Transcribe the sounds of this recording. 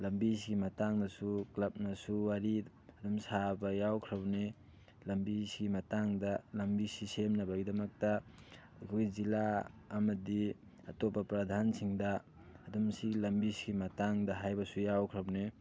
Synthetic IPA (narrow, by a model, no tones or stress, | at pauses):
lɐmbisiɡimɐtaŋnɐsuklɐp̚nɐsuwaɾi | ɐdumsabɐjawkʰɾɐwne | lɐmbisiɡimɐtaŋdɐlɐmbisisemnɐbɐɡidɐmɐk̚tɐ | kʰuzilaːmɐdi | atopɐpɾɐd̪ʱansiŋdɐː | dumsiɡlɐmbisiɡimɐtaŋdɐɦajbɐsujawkʰɾɐwne